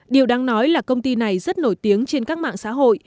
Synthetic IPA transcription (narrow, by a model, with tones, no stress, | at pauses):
ɗi˨˩əwɗaː˧ŋnɔ˨˦jlaː˨˩kə˧wŋ͡mt̪i˧na˨˩jzə˦˥t̚no˧˩jt̪i˨˦əŋt͡ɕe˧nkaː˦˥k̚ma̰ː˧˨ŋsa̰ː˧˥ɦo̰˧˨j